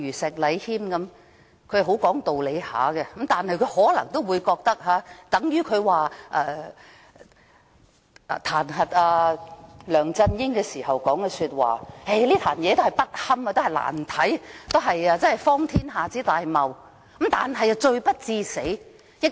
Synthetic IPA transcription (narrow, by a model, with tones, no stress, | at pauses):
yː˨˩sɛ˨˩k̚lɐ˨˧jhiː˥mkɐ˨˥m | kʰɵ˧˥hɦo˨˥wkɔː˨˥ŋt̪o˨wle˨˧jha̰ː˨˥ɡɛ˧ɐ˨˦m̩t̪aː˨nhɐ˨jkʰɵ˨˧ɥhɔː˨˥lɐ˨˩ŋt̪o˥wuː˨˧jkɔː˧k̚t̪ɐ˥k̚ɦaː˨˧t̪ɐ˨˥ŋjyː˥kʰɵ˨˧ɥwaː˨ʔɛː˨˧˨ | t̪ʰaː˨˩nɦɐ˨t̚aː˧ | lœː˨˩ŋt͡sɐ˧njɪ˥nkɛː˧siː˨˩hɐ˨wkɔː˨˥ŋkɛ˧syː˧t̚wa̰ː˨he˥˩jliː˥t̪ʰaː˨˩njɛː˨˧t̪o˥hjpɐ˥t̚hɐ˥maː˧t̪o˥hɐ˨˩la̰ː˨˩nt̪ʰɐ˨˥jt̪o˥wɦɐ˨jaː˧t͡sɐ˥nhjfɔː˥ŋt̪ʰiː˥nɦaː˨˩t͡siː˨˥t̪aː˨jmɐ˨w | ɐ˨˦m̩t̪aː˨nɦɐ˨jɐ˨t͡ʃɵ˧ɥpɐ˥t̚t͡siː˧se˨˥j | jɪ˥k